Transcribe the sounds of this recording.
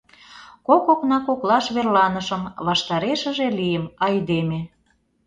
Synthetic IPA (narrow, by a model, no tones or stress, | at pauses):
kokoknɑkoklɑʃβerlɑnəʃə̆mβɑʃt̪ɑɾeʃə̆ʒelijəmɑjd̪eme